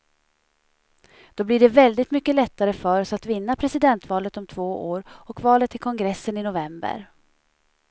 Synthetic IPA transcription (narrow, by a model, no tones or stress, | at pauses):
d̪̥ɔblɪɖɛvɛld̪ɪt̪mʏkːəlɛt̪ːaɾəfœɾɔsat̪vɪnːapʰɾɛsɪd̪ɛnt̪vɑːlət̪ɔmt̪ʰvoːʔoːɾɔkvɑːlət̪ʰːɪlkʰɔŋɡɾɛsːənɪnʊvɛmbə̰ɾ